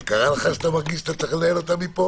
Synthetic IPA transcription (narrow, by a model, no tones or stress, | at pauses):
kaʁalaχaʃat̪amaʁɡiʃat̪at̪aχlelot̪amipo